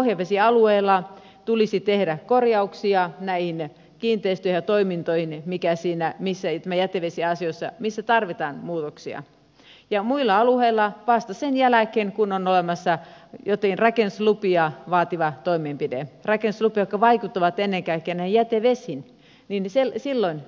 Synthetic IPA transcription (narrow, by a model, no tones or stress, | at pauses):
ohjɑʋesiɑlueilːˑɑ | t̪ulisit̪ehɾækorjɑuksiɑnæihin | kiːnt̪ˑeist̪yøhjɑt̪oimint̪oihinmikæsiːnæmisːæt̪æmæjæt̪eʋesiɑsijosːɑmisːæt̪ɑrʋit̪ɑːnmuːt̪oksiɑ̰ | jɑmuilːɑɑluheilːˑɑʋɑst̪ɑsenjælækeŋkunonolemɑsːɑjot̪ːɑkinrɑkenuslupiɑʋɑːt̪iʋɑt̪oimeːmpidḛrɑkenuslupijokːɑʋɑikut̪ːɑʋɑt̪enːeŋkɑikːeːnæihijæt̪eʋeshin | ninselsilːoin